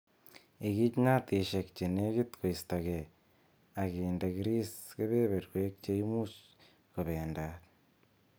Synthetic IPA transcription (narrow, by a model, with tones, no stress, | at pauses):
e˨ɣi˦t͡ʃi˦na˦ti˨ʃeki̥t͡ʃe˨neɣi˦tko˨ista˨ɣe˨ | a˨ɣeːndaɣiɾi˦sɣe˦βe˦βeɾwekit͡ʃe˦imus | koβeːnda